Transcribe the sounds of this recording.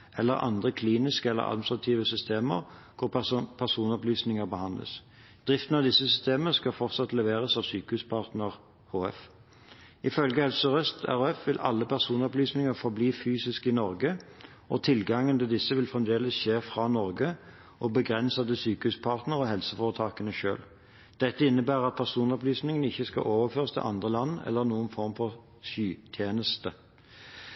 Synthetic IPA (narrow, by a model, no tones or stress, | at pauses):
ʔɛlːəɾɑ̰nd̪ʁəkʰliːnɪskəɛlːə̰ʔɑ̰d̪̚mɪnsʁɑt̪ʰiːʋəsʏst̪eːmə̰ʁkʰʊʁpʰæʁsuːnɔplyːsnɪŋəʁbəhɑnd̪lə̰s | d̪̥ʁɪft̪ənɑʋd̪ɪsːəsʏst̪eːmənəskɑfɔʁt̪sɑt̪lɛʋeːʁəsɑʋsyːkəhʉːspʰɑʁt̪nəʁ | hoːɛf | ɪfœlɡəhɛlsəɔʁœst̪ʰæ̰ʁoɛfʋɪlʔɑ̰lːəpʰæʁsuːnɔplyːsnɪŋəʁfɔʁbliːfyːsɪskɪnɔʁɡə | ʔɔt̪ʰɪlɡɑŋənt̪ʰɪld̪ɪsːəʋɪlfʁɛmd̪eːləsʃeːfʁɑnɔʁɡə | ʔɔbəɡʁɛnsɑd̪əsyːkəhʉspʰɑʁt̪nəʁɔɦɛlsəfoːʁət̪ʰɑːkənəʃø̰ːl | d̪̥ɛt̪ːəɪnːəbæːʁɑt̪̚pʰæʁsuːnɔplyːsnɪŋənɪçːəskɑ̰ʔoːʋəʁføːʁst̪ʰɪ̰lʔɑ̰nd̪ʁəlɑnːɛ̰lːəʁnuːənfɔʁmfɔʁ | ʃyːt̪ʰjeːnəst̪ə